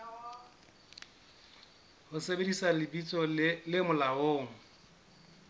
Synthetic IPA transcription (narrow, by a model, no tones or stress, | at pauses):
hʊsebedisalɪbit͡sʼɔlɪmʊlaoːŋ̩